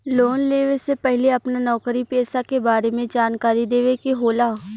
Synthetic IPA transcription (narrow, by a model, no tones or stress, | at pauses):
loːnleːʋesepɛɦleɐpnanɔːkɾipɛːsakebaːɾemẽd͡ʒaːnkaːɾid̪eːʋekeɦoːlaː